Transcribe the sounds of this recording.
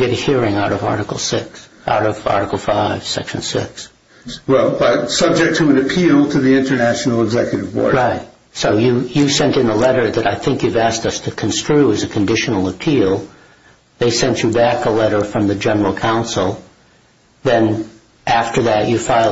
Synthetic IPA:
ɡ̥ɛɾɨhiɹɪ̃ŋaʊɾʌvɑ̰ɹɾɨkl̩ˠsɪks | a̰ʊɾʌv̥ɑ̰ɹɾɨkl̩ˠfaɪv̥sɛ̰kʃn̩sɪ̰ks | wɛlˠʌsʌb̚d͡ʒɨk̚tʰəə̃nɨpʰilˠtʰɨðiɪ̃ntə˞næʃn̩l̩ˠəɡzɛkjɨɾɨvbɔ̰ɹɹaɪt̚ | soʊjɨjɨ̥sɛ̃ntɨ̃nəlɛɾə˞ðɨɾaɪθɪ̃ŋkjʉvæstʌstʰɨkʰn̩stɹ̥ʉɨzɨkʰɨ̃ndɪʃnl̩ˠəpʰilˠ | ðeɪsɛ̃nt͡ʃɨbækəlɛɾə˞fɹʌ̃mðɨd͡ʒɛnə˞l̩ˠkʰãʊ̃nsl̩ˠ | ðɨ̃n | ʔæftə˞ðɨt͡ʃɨfãɪ

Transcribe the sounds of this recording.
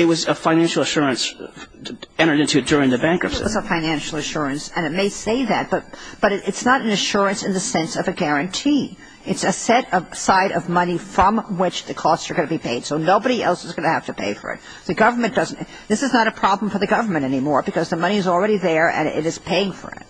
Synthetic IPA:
ɨt̚wʌzəfãɪ̃næ̃nʃl̩ˠəʃʊɹɨ̃ns | ɛ̃ɾ̃ə˞ɾɪ̃ntʉd̥ʊɹɪ̃ŋðɨbæ̃ŋkʌpssəfãɪnæ̃nʃl̩ˠɨʃʊɹɨ̃nsɨ̃nɨt̚meɪseɪðɨt̚b̥ʌt̚b̥ʌɾɨɨtsnəɾɨn̩ɨʃʊɹɨ̃nsɨ̃nðɨsɛ̃nsʌvɨɡɛɹɨ̃ntʰi | ɨtsɨsɛɾʌvsaɪɾʔʌvmʌnifɹʌ̃mwɪt͡ʃðɨkʰɔstsə˞ɡʌ̃nɨbipʰeɪd̥soʊnoʊbəɾiʔɛ̰lˠsəzɡʌñɨhæftɨpʰeɪfə̰˞ɨ̰t̪̚ | ðɨɡʌvə˞mɨ̃nd̥ʌz̃n̩ | ðɪsɨznəɾɨpʰɹ̥ɑbl̃ɱ̩fə˞ðɨɡʌvə˞mɨ̃ntɛnimɔɹbɨkʰʌzðəmʌñiɨzl̩ˠɹɛɾiðə˞ɨ̰̃nɪ̰ɾɨz̥pʰeɪɪ̃ŋfə̰˞ɪ̰t̚

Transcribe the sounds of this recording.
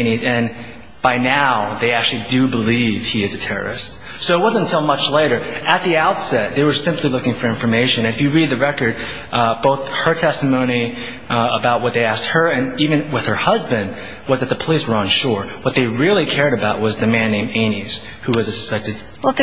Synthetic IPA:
nizɨ̃n | b̥aɪnaʊðeɪæk̚t͡ʃʉl̩ˠidɨbəliv̥iɨzɨtʰɛɹə̰˞ɨ̰st̚ | soʊət̚wʌz̃ntʰɪlˠmʌt͡ʃleɪɾə˞ɨt̪̚ðiaʊtsɛt̪̚ðeɪwə˞sɪ̃mplilʊkɪ̃ŋfə˞ɪ̃ɱfə˞meɪʃɨ̃nɨ̃nɨfjɨɹid̪̚ðɨɹɛkə˞d̚ | b̥oʊθhə˞tʰɛstɨmõʊ̃ñi | əbaʊt̚wʌt̪̚ðeɪæst̚hə˞ɨ̃nivɨ̃nwɪð̥ə˞hʌzbɨ̃nd̚ | wʌzðɨt̪̚ðɨpʰəliswə˞ə̃nʃɔɹwʌt̪̚ðeɪɹɪlˠikʰɛɹɾɨbaʊt̚wʌzðɨmæ̃nːẽɪ̃mẽɪ̃niz̥ | huwʌzɨsɨ̥spɛk̚tɨd̚

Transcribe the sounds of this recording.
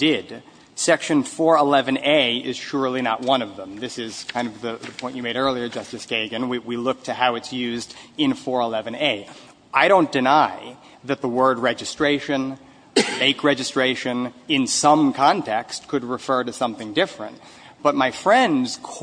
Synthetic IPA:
dɪd | sɛkʃɨ̃nfɔɹəlɛvɨ̃neɪɪz̥ʃʊɹlˠinə̰ʔ̚wʌ̃nʌvðə̃mðɪsɪz̥kʰãɪ̃ndʌvðɨðəpʰɔ̃ɪ̃nt͡ʃɨmeɪɾɜ˞lˠiə˞d͡ʒʌstɨsɡ̥eɪɡɨ̃nwiwilʊk̚tʰɨhaʊɨtsjʉzdɨ̃nfɔɹəlɛvɨ̃neɪ | aɪɾõʊ̃nd̥ɨnaɪ | ðɨt̪̚ðəwɜ˞d̚ɹɛd͡ʒɨstɹ̥eɪʃɨ̃n | eɪkʰɹɛd͡ʒɨstɹ̥eɪʃɨ̃nɪ̃nsʌ̃mkʰɑ̃ntʰɛkstkʰɨd̚ɹɨfɜ˞ɾɨsʌ̃mθɪ̃ŋdɪfɹɨ̰̃nt̚ | b̥ʌt̚maɪfɹɛ̃ndz̥kʰ

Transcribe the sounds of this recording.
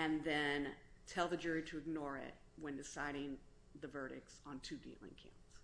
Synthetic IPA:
ɨ̃nðɨ̃ntʰɛlˠðɨd͡ʒʊɹiɾɨɨɡ̚nɔɹɪ̰t̚ | wə̃ndɨsaɪɾɪ̃ŋ | ðɨvɜ˞ɾɪ̰k̚sn̩tʰʉdḭlˠɪ̰̃ŋkʰã̰ʊ̃ns

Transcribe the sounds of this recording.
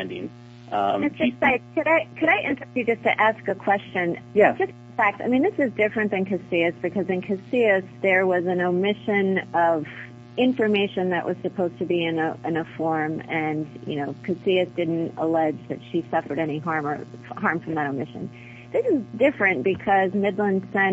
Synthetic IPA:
ndɪ̃ŋ | ʌɨtsd̥ʒ̥ʌssaɪt̚kʰɨɾaɪkʰɨɾaɪʔɪ̰̃nt͡ʃɹ̥ɨstɨd͡ʒʌstʰɨʔæskɨkʰw̥ɛst͡ʃɨ̃njæd̥ʒ̥ʌst | fæk̚taɪmĩnðɪsɨzdɪfɹɨ̃nðɨ̃nkʰɨsiɨsb̥ɨkʰʌzɨ̃nkʰɨsiɨsðə˞wʌzɨ̃noʊmɪʃɨ̃nʌv̥ | ɪ̃ɱfə˞meɪʃɨ̃nðɨʔwʔʌ̰z̥sɨpʰoʊz̥tʰɨbiɨ̃nɨɪ̃nəfɔɹmɨ̃njɨ̰noʊkʰɨsiɨsd̥ɪdⁿn̩tə̰lɛd͡ʒðɨ̰tʃisʌfə˞ɾɛñiɦɑɹmə̰˞hɑɹɱfɹʌ̃mðəɾoʊmɪʃɨ̰̃n | ðɪsɨzdɪfɹɨ̃nb̥ɨkʰʌzmɪdˡlə̃nsɛ̃n

